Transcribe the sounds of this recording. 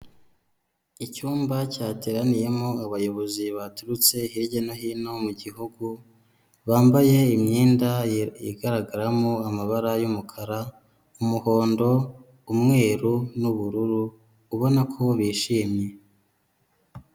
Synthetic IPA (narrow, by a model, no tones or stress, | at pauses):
icuːmbacaːteɾanije̞moaβajo̞βo̞ziβatuɾut͡se̞hiɾɟenoɦino̞muɟiɦuɡu | βaːmbaje̞imɲiːndajiɡaɾaɡaɾamoamaβaɾajumukʰaɾa | umuho̞ːndo̞ | umŋe̞ːɾunuβuɾuɾuː | βo̞nakʰo̞βiːʃiːmɲe̞